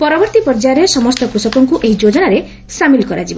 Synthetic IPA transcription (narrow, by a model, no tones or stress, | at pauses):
pɔɾɔbɔɾt̪ipɔɾd͡ʒaɔɾesɔmɔst̪ɔpɾusɔkɔŋkuʔeɦid͡ʒod͡ʒɔnaɾe | samilkɔɾad͡ʒibɔ